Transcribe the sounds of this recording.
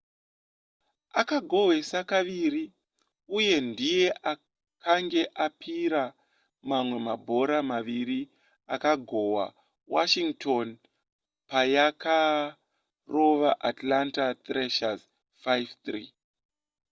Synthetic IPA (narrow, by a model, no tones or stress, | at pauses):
akaɡʱowe̞sakaʋiri | uje̞ndije̞ʔa | kʰaŋɡe̞ʔapʰiɾa | mamwe̞mabʱo̞ɾamaʋiɾi | akaɡʱo̞wa̰ | wa̰ʃiŋɡtʰon | pajaka | ro̞ʋaʔatlantat̪reʃaz | fajvt̪rḭː